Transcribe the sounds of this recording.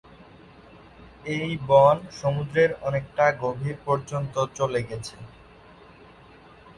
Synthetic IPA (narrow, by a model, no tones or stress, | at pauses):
ejbɔnʃomud̪ɾeɾɔnek̚ʈaɡobʱiɾpɔɾd͡ʑont̪ot͡ɕoleɡɛt͡ɕʰe